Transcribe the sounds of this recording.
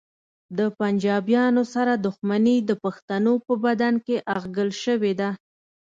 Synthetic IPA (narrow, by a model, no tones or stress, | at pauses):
d̪əpand͡ʒɑbjɑnosaɾad̪ʊxmanid̪əpaxt̪anopəbad̪ankeʔaɣɡəlʃəwed̪a